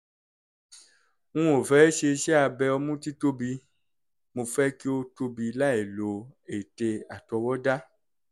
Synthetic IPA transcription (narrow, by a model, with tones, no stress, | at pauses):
ŋũ˦o˨fɛ˦ʃe˧ʃɛ˦a˧bɛ˧ɔ˧mũ˦ti˦to˦bi˧ | mo˧fɛ˦ki˦o˦to˧bi˧la˦e˨lo˨e˨te˧a˨tɔ˧wɔ˦da˦